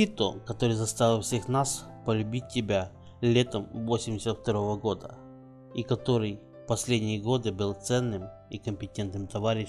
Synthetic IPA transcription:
it̪ʊkɐt̪o̞ɾɨjzɐst̪avʲɪlˠfsʲexnaspəlʲʉbʲit̚ʲːɪbʲa | lʲe̞t̪əmvo̞sʲɪmʲdʲɪsʲət̪ft̪ɐɾo̞vəɡo̞d̪ə̰ | ikɐt̪o̞ɾɨj | pɐsʲlʲedʲnʲɪjəɡo̞d̪ɨbɨlˠt̪sɛnːɨm | ikəmʲpʲɪtʲent̪nɨmt̪ɐvaɾʲɪ

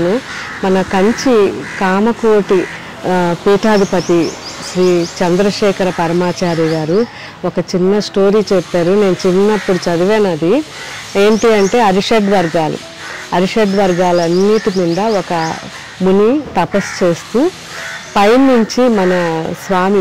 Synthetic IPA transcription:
nu | mɐnɐkɐɲt͡ʃikaːmɐkoːʈi | piːʈaːd̪ipɐt̪iʃɾiːt͡ʃɐnd̪ɾɐʃɛːkʰɐɾɐpɐɾɐmaːt͡ʃaːɾiɡaːɾu | ɔkɐt͡ʃinːɐsʈo̞ːɾiːt͡ʃɛpːaːɾune̞ːnut͡ʃinːɐpːuɽut͡ʃɐd̪iʋɛːnɐd̪i | eːɳʈiːɐɳʈe̞ːɐɾiʂeɖʋɐɾɡaːlṵ | ɐɾiʂeɖʋɐɾɡaːlɐnːiːʈimind̪ɐɔkɐ | bunit̪ɐpɐst͡ʃe̞ːst̪uː | pɐjnːuɲt͡ʃimɐnɐsʋaːmi

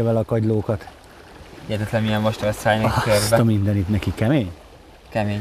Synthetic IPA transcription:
ɒvɛlɒkɒɟloːkɒt̪ | iɛt̪ɛt̪lɛmijɛnmoʃt̪ɛsaːjnɛkk̪ørbɛɒmind̪ɛnit̪nɛkikɛmeːɲ | kɛmeːɲ

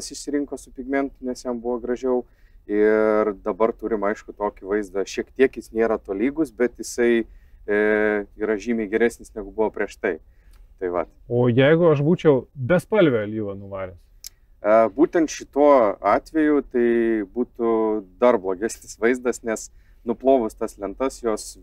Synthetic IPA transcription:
ɐsɪʃʲsʲɪɾʲɪŋkoːsʊpʲɪɡmʲɛnt̪ʊnʲɛsjɛmbuʋɐɡɾɐʒʲɛʊ | ɪrd̪ɐbɐrt̪uːɾʲɪmɐɪʃkʊt̪oːkʲɪʋɐɪzd̪ɐʃʲiɛkt̪ʲiɛkjɪsnʲeːɾɐt̪oːlʲiːɡʊsbʲɛt̪jɪsɐɪ | ɾɐʒʲiːmʲɛɪɡʲɛɾʲæːsʲnʲɪsnʲɛɡʊbuʋɐːpʲɾʲiɛʃt̪ɐɪ | t̪ɐɪʋɐt̪oːjɛɪɡʊɐʃbuːt͡ʃʲɛʊbʲɛspɐlʲʋʲɛlʲiːʋɐnʊʋɑːɾʲɛs | ɐbuːt̪ʲɛnt̪ʃʲɪt̪uɔɑːt̪ʲʋʲɛjʊt̪ɐɪbuːt̪ʊd̪ɐrblˠoːɡʲæsʲnʲɪsʋɐɪzd̪ɐsnʲɛs | nʊplˠoːʋʊst̪ɐslʲɛnt̪ɐsjoːs

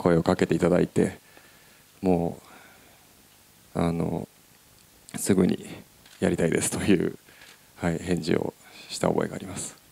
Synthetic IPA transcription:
kʰo̞e̞o̞kake̞t̪e̞it̪ad̪ait̪e̞ | mo̞ː | ano̞̰ | sɨɡɯ̟ɲ̟ḭ | jaɾʲit̪aid̪e̞sɨ̥t̪o̞jɯ̟ː | haihẽ̞ɲ̟d͡ʑḭo̰ɕi̥t̪aobo̞̰e̞ɡaːɾʲimasɨ̥

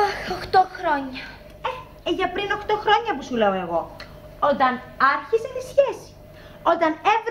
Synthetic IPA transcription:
axoxt̪oxɾoɲɐ | e | eʝɐpɾino̞xt̪o̞xɾo̞ɲɐpusule̞oe̞ɣo̞ | ot̪ɐn | ɐɾçisenisçe̞si̥ | o̞t̪ɐnevɾ

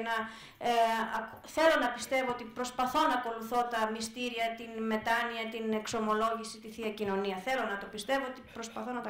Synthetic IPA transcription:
nɐ | ɐk | θe̞lo̞nɐpist̪e̞voot̪ipɾo̞spɐθo̞nɐːko̞luθo̞t̪ɐmist̪iɾiɐt̪inme̞t̪ɐniɐt̪inekso̞mo̞lo̞ʝisit̪iθiɐcino̞niɐθe̞lo̞nɐt̪o̞pist̪e̞voot̪ipɾospɐθo̞nɐt̪ɐ

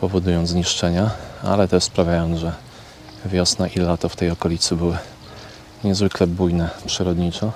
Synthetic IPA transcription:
pɔvɔd̪ujɔnt̪zɲiʂt͡ʂɛɲaa̰lɛt̪ɛʂspɾavʲjajɔnt̪ʐɛ | vʲjɔsnaʔilɛlat̪ɔft̪ɛjɔkɔlʲit̪sɘbɘwɘ | ɲɛzvɘklɛbujnɛpʂɘɾɔd̪ɲit͡ʂɔ

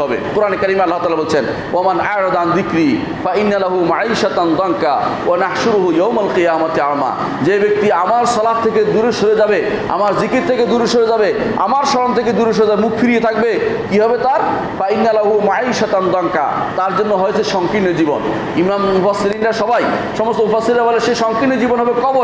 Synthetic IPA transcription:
ɦɔbḛqoɾanekaɾimalːaɦt̪aːlabolt͡ɕʰen | wamanaɾad̪and̪ikɾi | fainːalaɦumaʕiːʃat̪and̪ɔŋkawanahʃuɾuɦujowmalqijaːmat̪ama̰ | d͡ʑebek̚t̪iamaɾsɔlaɦt̪ʰeked̪uɾeʃoɾed͡ʑabe | a̰maɾd͡ʑikɾitt̪ʰeked̪uɾeʃoɾed͡ʑabe | a̰maɾʃɔɾont̪ʰek̬ed̪uɾeʃ̬oɾed͡ʑabemukʰfiɾiet̪ʰak̚bekiɦɔbet̪aɾ | fainːalaɦumaʕiːʃat̪and̪ɔŋka̰ | t̪aɾd͡ʑonːoɦojt͡ɕʰeʃɔŋkɾinːod͡ʑibon | imammufasːilinɾaʃɔbaj | ʃɔmost̪omufasːilɾabaleʃeʃɔŋkɾinːod͡ʑibonɦɔbekɔbo

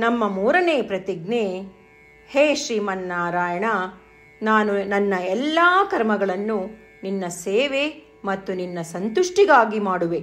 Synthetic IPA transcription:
nɐmːɐmuːɾɐneːpɾɐt̪iɡ̚ne | heːʃɾiːmɐnːaːɾaːjɐɳa | naːnunɐnːɐɛlːaːkɐɾmɐɡɐɭɐnːu | ninːɐseːʋe | mɐt̪ːuninːɐsɐnt̪uʂʈiɡaːɡimaːɽuʋe

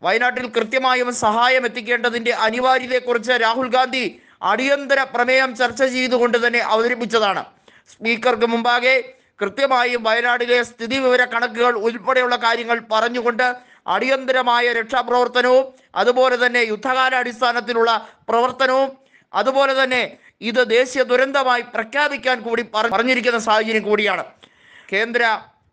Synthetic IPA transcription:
ʋɐjɐnaːʈːilkrɨt̪jɐmaːjumsɐɦaːjɐme̞t̪ːikʲːe̞ːɳɖɐðinde̞ʔɐniʋaːɾjɐðekːurit͡ɕːɨɾaːɦulɡaːnd̪ʱi | ɐ̰ɽijɐnd̪ɐɾɐprɐmeːɦɐmt͡ɕɐrt͡ɕːɐt͡ɕe̞jt̪uɣo̞ɳɖɨt̪ɐnːe̞ʔɐʋɐðɐɾɐpːit͡ɕːɐðaːɳɨ̰ | spiːkːɐrk̬ɨmumbaːɣe | krɨt̪jɐmaːjumʋɐjɐnaːʈːile̞st̪ʰiðiʋiʋɐɾɐkːɐɳɐkːuɣɐɭulpɐɽɐjuɭːɐkaːɾjɐŋːɐɭpɐrɐɲːuɣo̞ɳɖɨ | ɐ̰ɽijɐnd̪ɐɾɐmaːjɐɾekʂaprɐʋɐrt̪ɐnɐʋum | ɐ̰ðubo̞ːle̞t̪ɐnːe̞jud̪ʱːɐɣaːɾɐːɽist̪ʰaːnɐt̪̬ːiluɭːɐprɐʋɐrt̪ɐnɐʋum | ɐðubo̞ːle̞t̪ɐnːe̞ | iðɨd̪e̞ːɕijɐd̪uɾɐnd̪ɐmaːjiprɐkʰjaːbikʲːaːnkuːɽipɐrɐrɐɲːiɾik̬ʲːunːɐsaːd̪ɐd͡ʑɐnɐkuːɽijaːɳɨ | ke̞ːnd̪ɾɐ

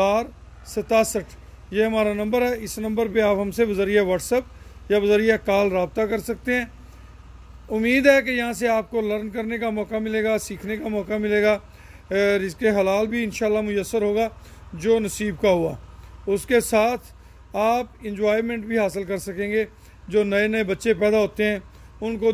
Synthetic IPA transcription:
aːɾ | sɐt̪aːsəʈʰ | jeɦɐmaːɾanɐ̃mbəɾɦɛɪsnɐ̃mbəɾpeaːpɦɐmsebɐzəɾiaʋɔːʈsəp̚ | jaʋɐzəɾiakaːlɾaːb̚t̪akɐɾsɐk̚t̪eɦɛ̃ː | ʊmːiːd̪ɦɛkejɐɦãseaːp̚kolɐɾnkɐɾnekamɔːkamɪleːɡasiːkʰnekamɔːkamɪleːɡaː | ɾɪskeɦɐlaːlbʱiɪnʃaːlːamʊjəsːəɾɦoːɡad͡ʒoːnɐsiːb̚kaɦua̰ːʊskesaːt̪ʰ | aːpɪ̃nd͡ʒʋaːɪɾmɛ̃ːɳʈbʱiɦaːsəlkɐɾsɐkẽːŋɡe | d͡ʒoːnɐenɐebɐtːʃepɛːd̪aɦoːt̪eɦɛ̃ː | ʊnko

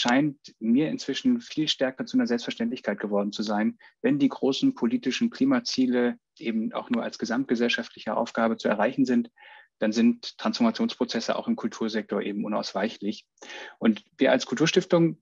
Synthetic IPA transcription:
ʃaɪntmiːɐɪ̰nt͡sv̥ɪʃn̩fiːlʃtɛɐkɐt͡suʔanɐzɛlpstfɛɐʃtɛntlɪçkʰaɪt̚ɡ̥əvɔɐdn̩t͡suzaɪnvɛndiːɡʁoːsn̩pʰoliːtɪʃn̩kʰl̥iːmat͡siːlə | ʔeːbm̩ʔa̰ʊxnuːɐʔa̰lsɡ̥əzamt̚ɡ̥əzɛlʃaftlɪçəʔa̰ʊfɡ̥aːbət͡suɛɐʁaɪçn̩zɪntd̥anzɪntʰːʁ̥ansfɔɐmat͡sjoːnspʁ̥ot͡sɛsəʔa̰ʊxɪmkʰʊltʰuːɐzɛk̚tʰoɐʔḛːbm̩ʔʊna̰ʊsv̥aɪçlɪç | ʔʊntviːɐʔa̰lskʰʊltuɐʃtɪftʊŋ

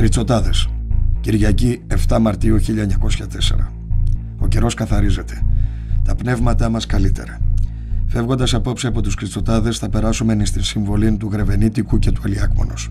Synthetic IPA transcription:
kɾit͡so̞t̪ɐðe̞sciɾʝɐcie̞ft̪ɐmɐɾt̪iuçiʎɐeɲɐko̞sçɐt̪e̞se̞̰ɾɐ | o̞ce̞ɾo̞skɐθɐɾize̞t̪e̞ | t̪ɐpne̞vmɐt̪ɐmɐskɐlit̪e̞̰ɾɐ | fe̞vɣo̞nd̪ɐsɐpo̞psiɐpo̞t̪uskɾit͡so̞t̪ɐðe̞sθɐpe̞ɾɐsume̞nist̪insiɱvo̞lint̪uɣɾe̞ve̞nit̪ikuce̞t̪uɐliɐkmo̞̰no̰s

